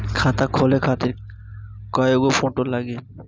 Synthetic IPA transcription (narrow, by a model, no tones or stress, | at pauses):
kʰat̪akʰolekʰat̪eɾ | kɔjoɡofoʈolaɡe